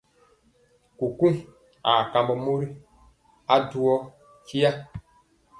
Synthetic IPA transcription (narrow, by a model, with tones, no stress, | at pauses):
ku˨kũ˦ŋ | a˨ka˨mbɔ˨mo˦ɾi˦ | a˦du˦ɔ˦ | ki˦a˦